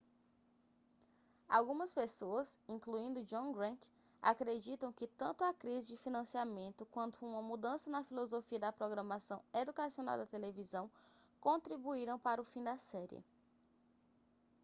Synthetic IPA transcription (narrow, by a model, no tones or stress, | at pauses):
a̰wɡũmɐspesoɐsĩŋkluĩnd̪ʊd͡ʒõɡɾɐ̃nt̪ | a̰kɾed͡ʒit̪ɐ̃w̃kɪt̪ɐ̃nt̪ʊakɾizɪd͡ʒɪfinɐ̃siamẽnt̪ʊkwɐ̃nt̪ʊũmɐmud̪ɐ̃sɐnɐfilozofiɐd̪ɐpɾoɡɾɐmasɐ̃w̃ed̪ukasiona̰wd̪ɐt̪elevizɐ̃w̃kõnt̪ɾibuiɾɐ̃w̃paɾʊfĩd̪ɐsɛɾiɪ̰